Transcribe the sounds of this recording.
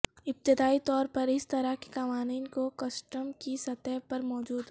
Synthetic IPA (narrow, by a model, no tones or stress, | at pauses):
ɪp̚t̪ɪd̪aːit̪ɔːɾpɐɾɪst̪ɐɾake̥kɐʋaːniːnkokɐsʈəmkisɐt̪ɛɦpɐɾmɔːd͡ʒuːd̪ɦ